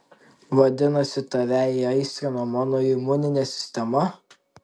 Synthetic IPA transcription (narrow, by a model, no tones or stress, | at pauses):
ʋɐd̪ʲɪnɐsʲɪt̪ɐʋʲæiɐɪsʲt̪ʲɾʲɪnoːmɑːnoːɪmʊnʲɪnʲɛsʲɪ̥sʲt̪ʲɛmɐ